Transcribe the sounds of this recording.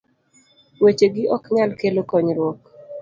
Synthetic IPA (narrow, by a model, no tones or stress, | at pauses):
wet͡ʃeɡɪʔɔkɲalkelokɔɲɾwɔk